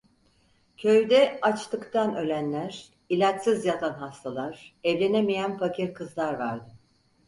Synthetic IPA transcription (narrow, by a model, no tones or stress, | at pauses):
cʰø̞jd̪ɛat͡ʃt̪ʰɯkt̪ʰanø̞lʲænlʲæɾ̥ | ilʲat͡ʃsɯzjat̪ʰanɦast̪ʰalˠaɾ̥ɛvlʲe̞nemijænfacʰiɾkʰɯzlˠaɾvaɾd̪ɯ